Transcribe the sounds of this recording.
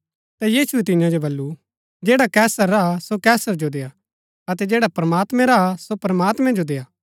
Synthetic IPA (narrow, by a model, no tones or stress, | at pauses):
t̪ajiːsuɛt̪̬ɪ̃jãd͡ʒobɐlːu | d͡ʒeːɽakɛːsəɾːaasokɛːsəɾd͡ʒod̪eːa | ɐt̪ɛd͡ʒeːɽapɾɐmaːt̪mɛ̃ɾasopɾɐmaːt̪mɛ̃d͡ʒod̪eːaː